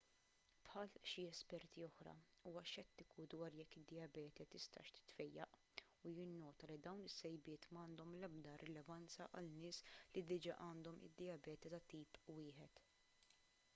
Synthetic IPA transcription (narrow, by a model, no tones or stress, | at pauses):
pħɐːlʃiɛspɛɾt̪iɔħɾɐ̰ | uːwɐʃɛt̪ːɪkud̪wɐːɾjɛkːɪd̪ːɪɐbɛːt̪ɛt̪ɪst̪ɐ̰ːʃt̪ɪ̥t̪fɛjːɐʔ | ujɪnːɔːt̪ɐlid̪ɐwnɪsːɛjbɪːt̪mɐːnd̪ɔmlɛb̚d̪ɐɾɛlɛvɐnt͡sɐʔɐlnɪːslid̪ɪd͡ʒɐʔɐːnd̪ɔmɪ̰d̪ːɪjɐbɛːt̪ɛt̪ɐt̪iːpwɪːħɛt̪